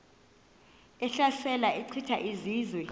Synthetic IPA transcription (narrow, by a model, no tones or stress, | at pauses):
ɛɬasɛlaʔɛǀʰitʰa̰ʔiziːzwɛ